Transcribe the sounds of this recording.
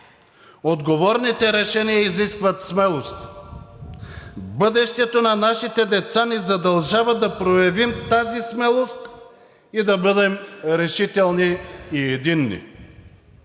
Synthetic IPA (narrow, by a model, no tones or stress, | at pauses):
od̪ɡovɔɾnit̪ɛɾɛʃɛnijɐiziskvɐt̪smɛlˠost̪ | bɤd̪ɛʃt̪ɛt̪onɐnaʃit̪ɛd̪ɛt̪sanizɐd̪ɐlˠʒavɐd̪ɐpɾojɐvimt̪azismɛlˠost̪ | id̪ɐbɤd̪ɛmɾɛʃit̪ɛlˠniiɛd̪inːḭ